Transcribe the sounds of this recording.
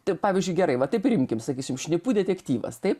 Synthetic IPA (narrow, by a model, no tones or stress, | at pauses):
t̪ɐɪpɑːʋʲɪzʲd͡ʒʲʊɪɡʲɛɾɐɪʋɐt̪ɐɪpɾʲɪmʲkʲɪmsɐkʲiːsʲɪmʃʲnʲɪpuːd̪ʲɛt̪ʲɛkt̪ʲiːʋɐ̰st̪ɐɪp